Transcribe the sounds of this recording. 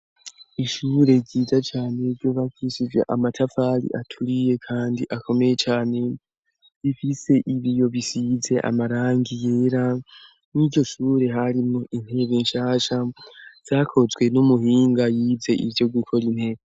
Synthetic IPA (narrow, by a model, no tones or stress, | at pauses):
iʃuːɾe̞ɟiːzat͡ʃaːne̞vjo̞βakʰisivja̰ʔamatʰafaɾḭʔatʰuɾije̞kʰaːndiʔako̞me̞je̞t͡ʃaːne̞ | βifise̞ʔiβijo̞βisize̞ʔa̰maɾaːŋɡijeːɾa | niːɟo̞ʃuːɾe̞ɦaɾimo̞ʔin̥he̞βenʃaːʃaz̥aːkʰo̞zɡwe̞numuɦiːŋɡajiːvze̞ʔḭvjo̞ɡukʰo̞ɾin̥he̞ːβe